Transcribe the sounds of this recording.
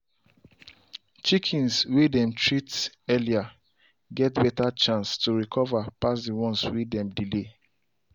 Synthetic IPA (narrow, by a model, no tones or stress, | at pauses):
t͡ʃikʰĩnswedɛ̃mtʰɹits | ɛlia | ɡɛtbɛtat͡ʃãnstuɹikʰɔvapas̬diwɔ̃nswedɛ̃mdile